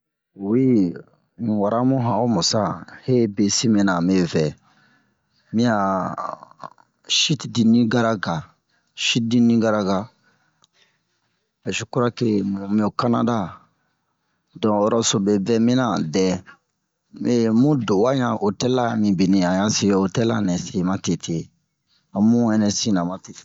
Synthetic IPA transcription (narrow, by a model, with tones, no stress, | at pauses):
wi˦ | nĩ˨wa˨ɾa˦mũ˦ɦã˨o˦mu˨sa˦he˦be˨si˦mĩ˨na˨me˦vɛ˨ | mĩ˦ja˨ | ʃi˦tdi˨nĩ˦ɡa˦ɾa˦ɡa˨ | ʃi˦t̚di˦nĩ˦ɡa˦ɾa˦ɡa˦ | ɛ˨ʃu˨ku˦ɾa˦ke˦mu˨mĩ˦o˨ka˦na̰˦da˦ | dɔ̃˨ɔ˦ɾɔ˦so˨bɛ˨bɛ˦mĩ˦na˨dɛ˨ | memũ˦do˨wa˦ɲã˨ʔo˨tɛ˦la˦mĩ˨bi˨nĩ˦ã˨ja˦se˦˨o˨tɛ˦la˦nɛ˨se˨ma˦te˨tʰe˨ | a˨mũ˦ɛ˦nɛ˦si˦na˨ma˨te˨